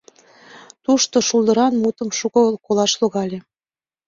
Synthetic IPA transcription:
t̪uʃt̪oʃulˠd̪əɾɑnmut̪əmʃukŏlkolɑʃloɣɑlʲe

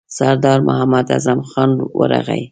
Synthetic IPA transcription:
saɾd̪ɑɾmʊhamad̪a̰zamxɑnwə̰ɾaɣa̰j

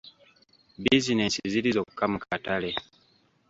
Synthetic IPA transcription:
bizinesizilizo̞ːku̥kamukatale̞

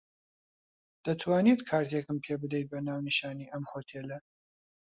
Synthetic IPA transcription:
d̪̥ɐt̪ʰwaːnit̪kʰaːɾt̪jekɨmpʰebɨd̪ejt̪̚bɐnaːwniʃaːniːʔɐmhoːt̪ʰeːlɐ

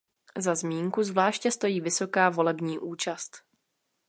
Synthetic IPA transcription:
zazmiːŋkuzvlaːʃcɛst̪o̞jiːvɪso̞kaːvo̞lɛbɲiːʔuːt͡ʃast̪

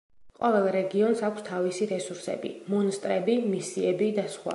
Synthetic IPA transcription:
qʼɔvɛlˠɾɛɡiɔnsakʷʰst̪ʰavisiɾɛsuɾsɛ̰bḭmɔnst̪ʼɾɛbimisiɛbid̪asχwa̰

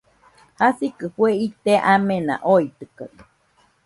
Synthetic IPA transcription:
hasikɨhweit̪eʔamena̰ʔoit̪ɨka̰

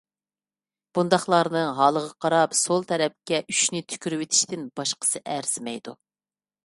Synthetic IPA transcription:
b̥und̪ɑχlˠɑɾnɨɦɑːlˠəʁɑqʰɑɾɑpsolˠt̪ʰɛɾɛp̚kʲɛʔyʃnɪt̪ʰy̥kʲyɾywɪt̪ʰi̥ʃt̪ɪnbɑʃqə̥sɨʔæɾsɪmɛjd̪u

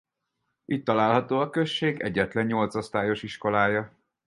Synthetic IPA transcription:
ʔit̪ːɒlaːlɦɒt̪oːɒkø̞ʃːeːɡɛ̰ɟːɛt̪lɛɲːo̞lt̪so̞st̪aːjo̞ʃiʃko̞laːjɒ

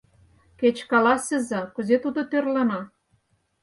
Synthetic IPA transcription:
ket͡ɕkɑlɑsʲə̆zɑkə̆zet̪ud̪ot̪ørlɤ̆nɑ

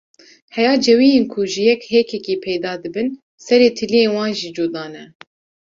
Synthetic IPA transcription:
hɛjɑːd͡ʒɛwiːjeːnkʰuʒɨjɛkheːkʰɛkiːpʰɛjd̪ɑːd̪ɨbɨn | sɛɾeːt̪ʰɨlijeːnwɑːnʒid͡ʒoːd̪ɑːnɛ

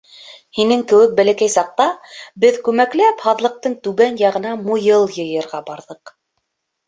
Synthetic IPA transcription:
hinɘŋkɘ̆wɘk̚bælækæjsɑq̚t̪ɑbɘðkʉmæklæphɑðlˠɤ̆q̚t̪ɤɴt̪ʉɡænjɑʁɤ̆nɑmujɤlˠjɤ̆jɤ̆ɾʁɑbɑɾðɤq

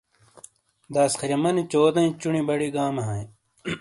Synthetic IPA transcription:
d̪aːskʰɐɾjɐmɐnit͡ɕoːd̪ɐ̃ĩt͡ɕunibɐɽiɡaːmɐɦɐ̃ĩ

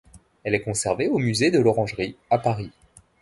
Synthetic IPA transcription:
ɛlɛkɔ̃sɛʁveomyzed̪əlɔʁɑ̃ʒʁiapaʁi

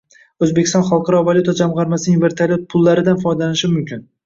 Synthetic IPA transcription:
ɵzbe̞kʲʰɪst̪ɒ̃nχɑlˠqʰɑɾɒvalʲˠʊt̪ad͡ʒamʁɑɾmasɪnɪŋʲve̞ɾt̪ʰalʲjot̪̚pʰʊlˠːaɾɪd̪anfɒjd̪alanɪʃɪmʊmkʲʰɪn

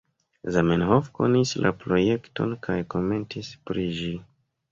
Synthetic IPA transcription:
zamenhofko̞̰nislʔa̰pɾo̞je̞kto̞̰nkʰajko̞me̞ntʰispɾiʒi

